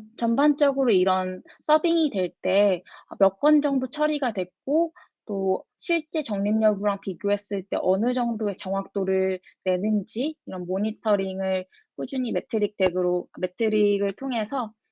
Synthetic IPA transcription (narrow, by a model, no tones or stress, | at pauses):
t͡ɕʌmband͡ʑ͈ʌɡɯɾoiɾʌns͈ʌbiŋidwe̞ɭt͈e̞ʌ̰mjʌk͈wʌnd͡ʑʌŋdot͡ɕʰʌɾiɡadwe̞k̚k͈o | t͈o | ɕʰiɭt͡ɕ͈e̞t͡ɕʌŋɲimɲʌbuɾaŋpiɡjoɦe̞s͈ɯɭt͈e̞̰ʔʌnɯd͡ʑʌŋdoet͡ɕʌŋɦwak̚t͈oɾɯɭne̞nɯnd͡ʑiiɾʌnmoɲitʰʌɾiŋɯɭ | k͈ud͡ʑuɲime̞tʰɯɾik̚t͈ʰe̞ɡɯɾome̞tʰɯɾiɡɯɭtʰoŋe̞sʰʌ